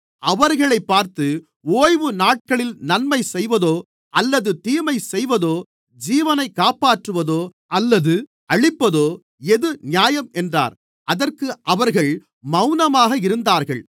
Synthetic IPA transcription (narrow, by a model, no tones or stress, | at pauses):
ʔɐʋɐɾɣɐɭɐɪpːaːɾt̪ɯ | oːjʋɯnaːʈ̚kɐɭɪlnɐnmɐɪsɛjʋɐðoː | ʔɐlːɐðɯt̪iːmɐɪsɛjʋɐðoː | d͡ʒiːʋɐnɐɪkːaːpaːʈrɯʋɐðoː | ɐlːɐðɯ | ɐɻɪpːɐðoː | ɛðɯnɪjaːjɐmɛndra̰ːɾ | ʔɐðɐrkɯʔɐʋɐɾɣɐɭ | mɐʊnɐmaːɣɐɪɾɯnd̪aːɾɣɐɭ